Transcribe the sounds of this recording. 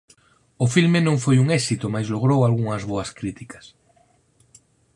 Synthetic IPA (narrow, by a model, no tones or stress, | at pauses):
ʊfilmenõŋfojuŋɛsit̪omajzloɣ̞ɾowalɣuŋɐzβoaskɾit̪ikɐ̥s